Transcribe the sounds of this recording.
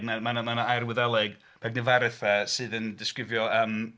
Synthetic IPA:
ɡmamanmanaajrwɪðɛlˠɛɡ | b̥ɛɡ̚nɪvaɾɨθəsɨːðəndɪskrɪvjɔəm

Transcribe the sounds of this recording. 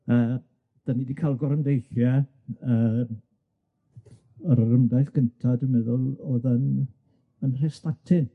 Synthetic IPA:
əː | d̥anidikʰalˠɡɔɾəndejɬjɛ | əːm | əɾərʊndajθkʰəntʰadəmɛðʊlˠoːðən | ənrestatʰɪn

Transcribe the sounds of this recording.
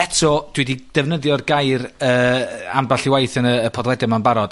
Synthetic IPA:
ɛtʰɔd̥wɛdid̥ɛvnəðjɔrɡajrəːa̰mbaɬiwajθənəːpʰɔðlˠɛdɪmanbaɾɔd̥

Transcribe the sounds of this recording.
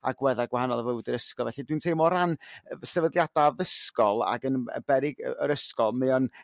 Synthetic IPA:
a̰ɡwɛðaɡwahanɔlˠəvəwdəɾəskɔlˠvɛɬidwintʰejmɔɾansɛvədlˠjadavəskɔlˠa̰ɡənə̰b̥ɛɾɪɡə̰əɾəskɔlˠmɛɔn

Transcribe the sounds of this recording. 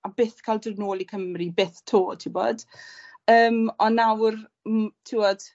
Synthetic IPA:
abeːθkʰaldərnoːlˠikʰəmribeːθtʰoːtʰiwbo̰ːd̥ | əːmɔnːawr | mtʰiwɔd̥

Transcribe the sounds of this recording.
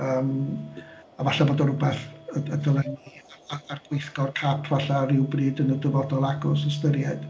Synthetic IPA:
əːm | avaɬaboːdɔɾʊbɛθəədəlˠɛniarɡ̥wejθɡɔrkʰapʰvaɬaɾɪwbriːdənədəvɔdɔlˠaɡʊs̬əstəɾjad̥

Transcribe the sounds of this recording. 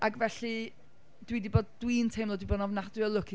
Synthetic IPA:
aɡvɛɬi | d̥widiboːd̚dwiːntʰejmlˠɔdwibɔːdnɔvnadwɪlˠʊkʰi

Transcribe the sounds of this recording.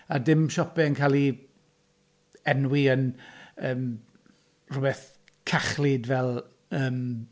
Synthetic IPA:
adɪmʃɔpɛənkʰaːlˠi | ɛnwiənəːm | r̥ʊbɛθ | kʰaχlidvɛlˠ | əːm

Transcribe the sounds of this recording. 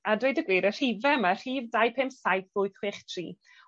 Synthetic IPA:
adwejdəɡwiːɾər̥ivɛmər̥iːvdajpʰemsajθʊɨθwɪχtʰriː

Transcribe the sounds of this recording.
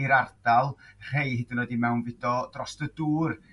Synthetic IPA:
iɾard̥alˠr̥ejɦɪdɪnɔdimɛwnvɪdɔd̥rɔsdəduːr

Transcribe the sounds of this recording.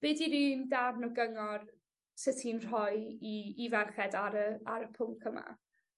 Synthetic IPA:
b̥ɪdiɾiːndarnɔɡəŋɔr | sɪtʰinr̥ɔjiivɛrχɛdaɾəaɾəpʰʊŋkʰəma̰

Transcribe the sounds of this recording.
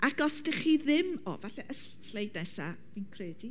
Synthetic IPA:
ʔaɡɔstɪχiðɪmɔ̰vaɬɛʔəs | slejdnasa | vinkʰreːd̥i

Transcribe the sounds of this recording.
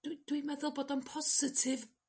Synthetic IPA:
d̥wimɛðʊlˠboːdɔnpʰɔsɪtʰɪv

